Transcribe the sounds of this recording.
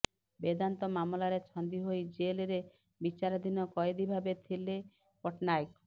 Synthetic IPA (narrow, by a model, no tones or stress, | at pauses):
bed̪ant̪ɔmamlaɾet͡ʃʰɔnd̪iɦojd͡ʒeleɾe | bit͡ʃaɾɔd̪ʱinɔkɔjed̪ibʱabet̪ʰile | kɔʈnajk